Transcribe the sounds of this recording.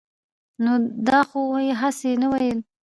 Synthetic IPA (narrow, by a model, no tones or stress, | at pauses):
nod̪ɑxojeɦasenawajəl